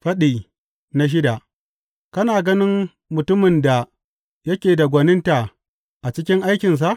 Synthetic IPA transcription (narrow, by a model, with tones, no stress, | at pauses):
ɸɐ˦ɗiː˨ | na˦ʃ̬ɪ˦da˨ | kɐ˦naː˨ɡɐ˦nɪ˦m | mʊ˨tʊ˦mɪ˨nda˨ | jɐ˦kʲeː˨da˨ɡʷɐ˨nɪ˦nta˨ | ʔa˨t͡ʃɪ˦kʲɪ˦ŋʔa˦jkʲɪ˨ns̬a˨ʔ